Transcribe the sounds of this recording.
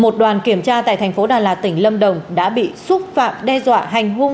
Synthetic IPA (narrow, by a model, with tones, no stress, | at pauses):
mo˨˩t̚ɗwaː˨˩nki˧˩əmt͡ɕaː˧t̪a̰ː˧˨jt̪ʰɛ˨˩jŋ̟fo˨˦ɗaː˨˩laː˨˩t̪ï˧˩ŋ̟lə˧mɗə˨˩wŋ͡mɗa̰ː˧˥ɓḭ˧˨sʊ˦˥t̚fa̰ː˧˨mɗɛ˧zwa̰ː˧˨ɦa˨˩jŋ̟ɦʊ˧ŋ